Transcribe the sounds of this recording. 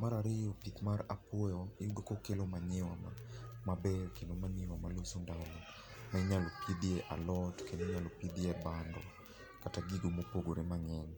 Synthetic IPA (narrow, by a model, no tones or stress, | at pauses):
maɾaɾejɔpikmaɾapɔjɔɪudokɔkelomaɲɪwamamabɛlkelomaɲɪwamalosundanɔ | maiɲalopʰid̪iɛʔa̰lɔtkeniɲalopid̪iɛbandɔ̰ | kataɡiɡomopoɡoɾemaŋɛn